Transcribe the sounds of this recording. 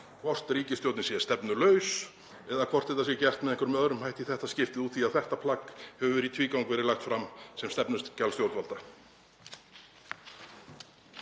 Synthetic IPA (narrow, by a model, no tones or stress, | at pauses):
kʰvɔr̥t̪ɾiːcɪst̪jowt̪nɪsjɛɛst̪ɛpnʏlœːɥs | ɛðakʰvɔr̥t̪ɛt̪asjɛcɛr̥t̪mɛðɛŋkʏɾmœðɾʏmhajht̪iθɛht̪ascɪft̪ɪðuːt̪θiaðθɛht̪apʰlakhɛvʏvɛːɾit̪ʰviːkawŋkvɛːɾɪlaxt̪fɾamsɛmst̪ɛpnʏst̪calst̪jowt̪valt̪a